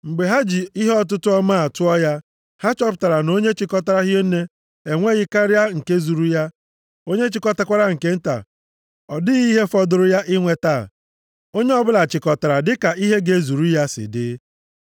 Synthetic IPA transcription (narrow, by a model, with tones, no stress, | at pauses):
ŋ͡m̩˨ɡ͡be˨ɦa˦d͡ʒi˨i˦ɦe˦ɔ˦t̬ʊ˦tʊ˦ɔ˦ma˦˨tʊ˦ɔ˦ja˦ | ha˦t͡ʃɔ˦pta˨ɾa˨no˦ɲe˦t͡ʃɪ˨kɔ˦ta˦ɾa˦ɦje˦n̩˦ne˦ | e˨ŋʷe˦ɣɪ˦ka˦ɾja˦ŋ̩˨ke˦zu˨ɾu˦ja˦ | o˦ɲe˦t͡ʃɪ˨kɔ˦ta˦kʷa˦ɾa˦ŋ̩˨ke˦n̩˦ta̰˨ | ɔ˨dɪ˦ɣi˦ɦe˦fɔ˦dʊ˨ɾʊ˦ja˦ʔɪ˦ŋʷe˨ta˦˨ | o˦ɲe˦ɔ˦bʊ˦la˨t͡ʃɪ˨kɔ˨ta˨ɾa˨dɪ˦ka˨i˦ɦe˦ɡe˨zu˨ɾu˦ja˦sɪ̰˨dɪ̰˦